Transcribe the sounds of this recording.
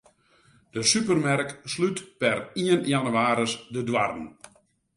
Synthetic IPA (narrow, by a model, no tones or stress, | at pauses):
d̥əsypərmɛrkslytpɛriənjanyaːɾəsdədwarən̩